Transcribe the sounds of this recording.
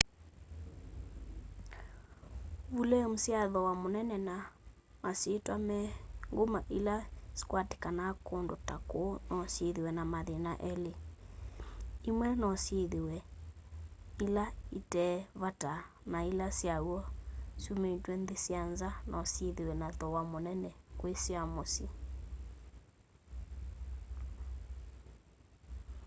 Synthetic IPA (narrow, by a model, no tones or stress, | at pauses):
βulɛmusjaðɔwamonɛnɛna | masetwamɛŋɡomaʔilasi̥kwate̥kanakondotakonɔsjeðewɛnamaðenaʔɛle | imwɛnɔsjeðewɛ | ilaitɛβata | nailasjawɔsumetwɛnðesjanzanʔɔsjeðewɛnatɔwamonɛnɛkwesiamosi